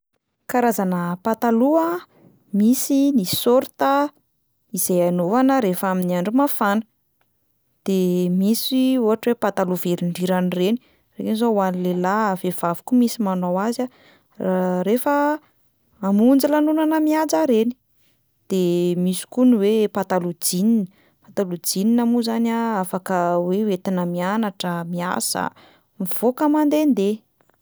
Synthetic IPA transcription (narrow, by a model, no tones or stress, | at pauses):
kaɾazanəpat̪alua | misinisoɾt̪ə | iz̥ejanovanəɾefaminiaɳɖ͡ʐumafanə̥ | d̪̥emisiuɦaʈ͡ʂwepat̪aluveɾiɳɖ͡ʐiɾanireni̥ | rekinizouanilelavev̥avu̥kumisimanowaza | aɾefə | amund͡zilanunanəmiad͡zaɾeni̥ | d̪̥emisi̥kuniwepat̪alud͡zininə | pat̪alud͡zininamuzanaafakəweuet̪inəmianaʈ͡ʂəmia̰za̰ | miv̥okəmand̪end̪e